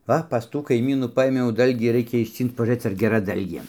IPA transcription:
ˈʋɐ pɐs ˈtuː kɐɪˈmʲiːnuː ˈpɐeːmʲɛʊ ˈdɐlʲɡʲiː ˈrɐɪkʲɛ ɪʃʲˈt͡sʲiːnt͡s pɐʒuːˈrɘt͡s ɐr ɡʲɛˈrɐ ˈdɐlʲɡʲeː

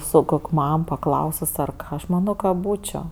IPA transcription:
sʊ ˈkoːkʲ ˈmɐm pɐˈklˠɐʊsʊs ˈɐr ˈɐʃ ˈmɑːnoː kɐ ˈbuːt͡ʃʲoː

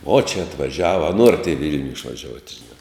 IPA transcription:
oː t͡ʃʲɛ ɐtʋɐˈʒʲæːʋɐ ɐ ˈnuɔrɐt ɪ ˈʋʲɪlʲnʲʊ ɪʃʋɐˈʒʲuɔtʲ ʒʲɪˈnɑː

